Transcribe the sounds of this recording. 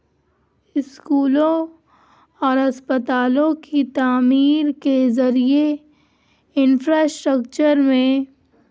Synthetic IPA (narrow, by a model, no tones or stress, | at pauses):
ɪskuːlõ | ɔːɾɐspət̪aːlõkit̪aːmiːɾkezɐɾie | ɪnfɾaːsʈɾəkt͡ʃəɾmẽ